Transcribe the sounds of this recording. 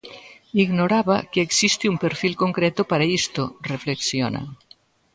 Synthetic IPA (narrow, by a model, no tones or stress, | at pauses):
iɡnoɾaβakeːksist̪iumpeɾfilkoŋkɾɛt̪opaɾaist̪orefleksjona̰